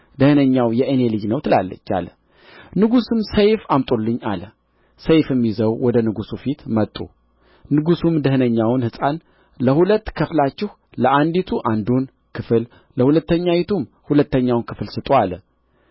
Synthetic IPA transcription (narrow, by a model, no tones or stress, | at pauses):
d̪əhɨnəɲːawjɛʔɨnelɨd͡ʒnəwt̪ʰɨlalːə̰t͡ʃːa̰lə | nɨɡusɨmsəjfamt̪ʼolːɨɲːa̰lə | səjfɨmːizəwwɔd̪ənɨɡusufit̪mət̪ʼːṵ | nɨɡusumd̪əhnəɲːawnhɨsʼan | ləhulət̪ːkʰɨflat͡ʃːɪh | ləʔand̪it̪ʰuʔand̪un | kʰɨfɨl | ləhulət̪ːəɲːajit̪ʰum | hulət̪ːəɲːawnkʰɨflsɨt̪ʼoalə